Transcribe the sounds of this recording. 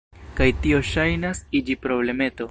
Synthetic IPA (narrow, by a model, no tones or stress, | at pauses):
kajtio̞ʃajnasid͡ʒipɾo̞ble̞me̞to̞